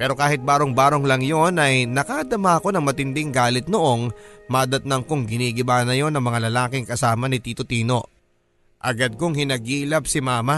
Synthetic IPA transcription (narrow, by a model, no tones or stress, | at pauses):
pɛːɾo̞kaːhɪt̪̚baːɾo̞ŋbaːɾo̞ŋlɐŋjo̞nɐjnɐkaʔd̪ɐmaɐko̞nɐŋmɐt̪ɪnd̪ɪŋɡaːlɪt̪̚noʔo̞ŋmaːd̪ɐt̪̚nɐŋkoŋɡɪniːɡɪbaːnɐjo̞nɐŋmɐŋalɐlaːkɪŋkɐsaːmɐnɪt̪iːt̪ot̪iːno̞ʔ | ʔɐɡɐd̪̚koŋhɪnɐɡiːlɐb̚sɪmaːma